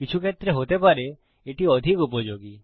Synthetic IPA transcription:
kit͡ʃʰuket̪ɾeɦot̪epaɾe | eʈiɔd̪ʱikupɔd͡ʒoɡi

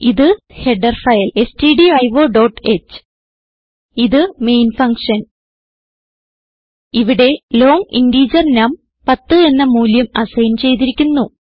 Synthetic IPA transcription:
iðɨ | he̞ɖɐrfɐjɐle̞stiɖiɐjʋo̞ːɖoːʈːet͡ɕːɨ̥ | iðɨme̞jnfɐŋkʂɐn | iʋiɽe̞lo̞ːŋḭnɖiːd͡ʑɐrnɐm | pɐt̪ːɨe̞nːɐmuːljɐmɐsɐjnt͡ɕe̞jt̪iɾikʲːunːu

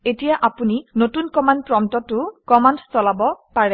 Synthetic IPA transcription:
etijaʔapuninotunkɔmand̚pɹɔmtɔtʊkɔmandstɔlabɔpaɹɛ

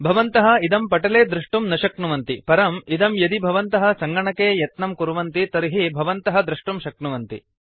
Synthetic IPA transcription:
bʱɐʋɐnt̪ɐɦɐ̆id̪ɐmpɐʈɐleːd̪ɾuʂʈumnɐʃɐkɳuʋɐnt̪ipɐɾɐmid̪ɐmjɐd̪ibʱɐʋɐnt̪ɐɦɐ̆sɐŋɡɐɳɐkeːjɐt̪nɐmkuɾuʋɐnt̪it̪ɐɾiɦibʱɐʋɐnt̪ɐɦɐ̆d̪ɾuʂʈumʃɐkɳuʋɐnt̪ḭ

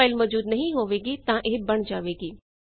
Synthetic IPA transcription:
aːɪlmɔd͡ʒuːd̪nɐɦĩɦoːʋeːɡit̪ãʔeɦbɐɽ̃d͡ʒaːʋeːɡiː

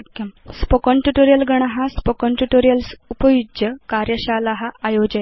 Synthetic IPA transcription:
kspokoɳʈuʈoɾijəlɡəɽ̃aɦaspokɔɳʈuʈoɾijəlsupəjud͡ʑjəkaɾjəɕalaɦaajod͡ʑaj

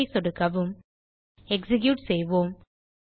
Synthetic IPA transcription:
ɪsɔɽɯkɐʋɯm | ɛksɪɡjuːʈsɛjʋoːm

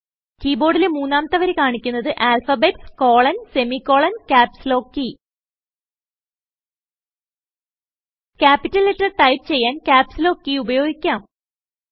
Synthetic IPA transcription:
kiːbo̞ːɽilemuːnːaːmɐt̪ːɐʋɐɾekaːɳikʲːunːɐðɨʔaːlfɐbetsko̞ːɭɐnse̞mikːo̞ːɭɐnkaːpslo̞ːkːi | kʲaːpːitːɐlːetrɐrʈɐjp̚t͡ɕe̞jːaːnkʲaːpslo̞ːkːiubɐjo̞ːɡikʲːaːm

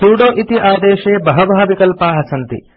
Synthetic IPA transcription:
suːɽoːʔit̪iʔaːd̪eːʃeːbɐɦɐbɐɦɐʋikɐlpaːɦɐsɐnt̪ḭ

